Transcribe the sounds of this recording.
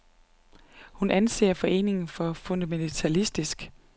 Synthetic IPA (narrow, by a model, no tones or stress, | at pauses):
hunʔænse̝̰ːɐfɒ̽ʔe̝̰ːne̝ŋn̩fɒ̽fo̝nd̥æment͡sʰælisd̥isɡ̥